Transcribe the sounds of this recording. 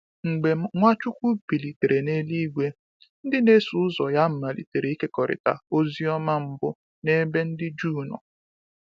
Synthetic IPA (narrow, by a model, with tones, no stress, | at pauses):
ŋ͡m̩˨ɡ͡be˨ŋʷa˦t͡ʃʊ˦kʷu˦bi˨li˨te˨ɾe˨ne˦li˦ɡʷe˦ | n̩˦dɪ˦ne˦su˨˦ʊ˦zɔ˨ja˦m̩˨ma˨lḭ˨te˨ɾe˨˦i˦ke˦kɔ˨ɾɪ̰˨ta̰˨o˦zi˦ɔ˦ma˦m̩˦bʊ˦ | ne˦be˦n̩˦dɪ˦d͡ʒuː˦nɔ̰˨